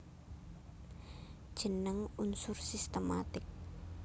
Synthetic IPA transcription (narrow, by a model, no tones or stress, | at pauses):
d̥ʒ̥ə̤nəŋunsʊrsist̪əma̰t̪ɪk̚